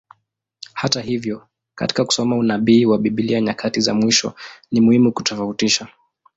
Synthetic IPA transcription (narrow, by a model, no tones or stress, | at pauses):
hataɦivjɔ | ka̰ti̥kaku̥sɔmaunaɓiːwaɓiɓiliaɲakʰatiza̰mwiʃɔ̰nimuhimuku̥tɔfautiʃa